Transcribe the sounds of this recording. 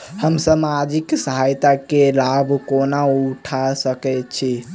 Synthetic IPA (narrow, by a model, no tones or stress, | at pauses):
həmsəmad͡ʒiksəɦajt̪akelabʱkonauʈʰasəkɛt͡ʃʰi